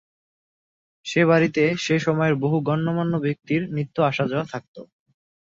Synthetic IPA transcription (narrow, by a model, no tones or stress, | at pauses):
ʃeβaɾit̪eʃeʃɔmɔeɾboɦuɡɔnːomanːobek̚t̪iɾnit̪ːoaʃad͡ʑɔat̪ʰak̚t̪o